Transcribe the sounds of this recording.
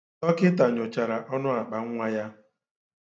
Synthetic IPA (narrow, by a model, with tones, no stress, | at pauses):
ɔ˦kɪ˦ta˨ɲʊ˨t͡ʃa˨ɾa˨ʔɔ˦nʊ˦a˨k͡pa˨ŋ̩˦ŋʷa˦ja˦